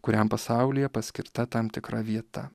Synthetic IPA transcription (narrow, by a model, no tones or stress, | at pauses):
kʊɾʲɛmpɐsɑˑʊlʲɪjɛpɐsʲkʲɪɾt̪ɐt̪ɐmt̪ʲɪkɾɐʋʲiɛt̪ɐ